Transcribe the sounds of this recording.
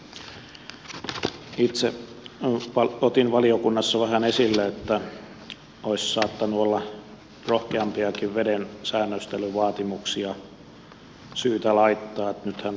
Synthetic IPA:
it̪se | ɑot̪inʋɑliokunːɑsːɑʋæhænesilːeet̪ːæ | oissɑːt̪ːɑnːuolːɑ | rohkeɑmpiɑkiʋʋedensæːnːøst̪elyʋɑːt̪imuksiɑ | syːt̪ælɑit̪ːɑːet̪nyt̪hæn

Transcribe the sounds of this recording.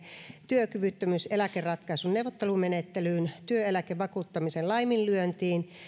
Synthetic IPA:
t̪yøkyʋyt̪ːømyselækerrɑt̪kɑisunneuwʋˑot̪ːelumenet̪ːelyːnt̪yøelækeʋʋɑkuːt̪ːɑmisenlɑjminlyønt̪iːn

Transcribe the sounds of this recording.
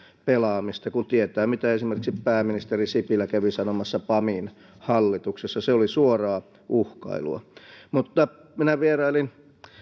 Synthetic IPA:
pelɑːmist̪ɑkunt̪iet̪æːmit̪æesimerkiksippæːmːinist̪erisipilːˑækæʋisɑnomɑsːɑpɑmin | hɑlːit̪uksesːɑseolisuorɑː | ʔuhkɑ̰ilṵɑ̰mut̪ːɑ | minæʋierɑilin

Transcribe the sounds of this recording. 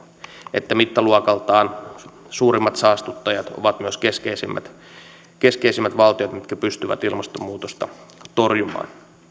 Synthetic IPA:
et̪ːæmit̪ːæluɑkɑlt̪ɑːn | suːɾimːɑt̪sɑːst̪ut̪ːɑjɑt̪o̞̰ʋɑt̪myøskeskeisimːʔæ̰t̪ | ke̞skeisimːæt̪ʋɑlt̪iot̪mit̪kæpyst̪yʋæ̰t̪ilmɑst̪omːuːt̪ost̪ɑ̰t̪o̞rjumɑ̰ːn

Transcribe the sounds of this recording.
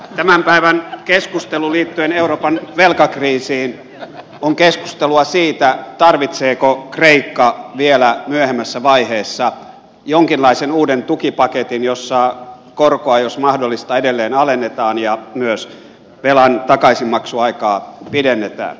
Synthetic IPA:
t̪æmæmpæiʋænkeskust̪eluliːt̪ːyeneuroːpɑnʋelkɑkriːsiːn | oŋkesku̥st̪eluɑsiːt̪æt̪ɑrʋit̪seːkokreikːɑʋielæmyøhemːæsːæʋɑiheːsːɑ | joŋkinlɑisenuːdent̪ukipɑket̪injosːɑ | korkoɑjosmɑhdolːist̪ɑedelːeːnɑlenːet̪ɑːnjɑmyøs | ʋelɑnt̪ɑkɑisimːɑksuɑikɑːpidenːet̪æ̰ːn

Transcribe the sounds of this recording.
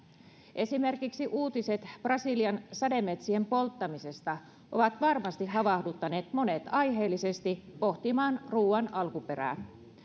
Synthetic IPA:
ʔe̞sime̞rkiksiʔuːt̪ise̞t̪b̥rɑsiliɑnsɑde̞mːe̞t̪sie̞mpo̞lt̪ːɑmise̞st̪ɑ | ʔo̞ʋɑt̪ʋɑrmɑst̪iɦɑʋɑhdut̪ːɑne̞ːt̪mo̞ne̞t̪ɑjɦe̞ːlːise̞st̪ipo̞ht̪imɑːnruːɑnɑlkupe̞ɾæ̰ːn

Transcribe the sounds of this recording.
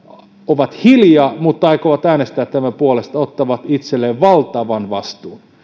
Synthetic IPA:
oʋɑt̪hiljɑːmut̪ːɑikoʋɑt̪æːnest̪æːt̪t̪æmæpuolest̪ɑot̪ːɑʋɑt̪it̪selːeʋʋɑlt̪ɑʋɑnʋɑ̰st̪uːn

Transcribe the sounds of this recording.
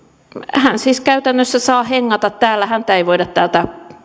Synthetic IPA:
hænsiːskæyt̪ænːøsːæsɑːheŋːɑt̪ɑt̪t̪æːlːæhænt̪æeiʋoidɑt̪t̪æːlt̪æ

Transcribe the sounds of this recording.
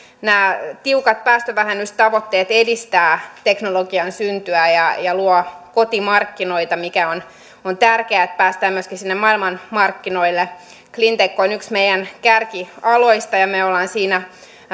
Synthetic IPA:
næːt̪iukɑt̪̚pæːst̪øʋæhænyst̪ɑʋot̪ːeːt̪edist̪æːt̪eknoloɡiɑnsynt̪yæjɑjɑluokot̪imɑrkːinoit̪ɑmikæon | ont̪ærkeæt̪̚pæːst̪æːmyøskisinːemɑilmɑnmɑrkːinoilːe | klint̪ekːoonyksmejænkærkiɑloist̪ɑjɑmeolːɑːnsiːnæ

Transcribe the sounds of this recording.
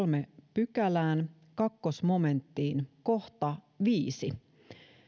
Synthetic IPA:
lmepykælæːn | kɑkːosmo̞me̞nt̪ːiːnko̞ht̪ɑ | ʋiːsi

